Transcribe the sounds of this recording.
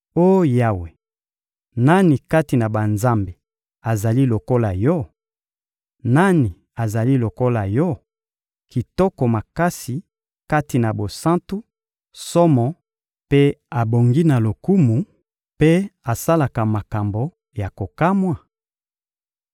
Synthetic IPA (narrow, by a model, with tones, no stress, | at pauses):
o˦jo˦ja˦we˨ | na˦ni˨ka˦ti˨na˨ba˨nza˦mbe˨ | a˨za˨li˦lo˨ko˦la˨jɔ˦ | na˦ni˨ | a˨za˨li˦lo˨ko˦la˨jɔ˦ | ki˨tɔ˦kɔ˨ma˨ka˦si˨ | ka˦ti˨na˨bo˨sã˦ntu˦ | sɔ˦mɔ˨ | pe˦a˨bo˨ŋɡi˦na˨lo˨ku˦mu˨ | pe˦a˨sa˦la˨ka˨ma˨ka˨mbo˨ | ja˨ko˨ka˦mwa˨